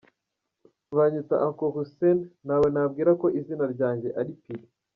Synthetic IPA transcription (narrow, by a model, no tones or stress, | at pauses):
βaɲit͡sa̰ʔaŋkohusenːawe̞nabɡiːɾako̞ʔizinaɾɟaːɲɟe̞ʔaɾipiɾe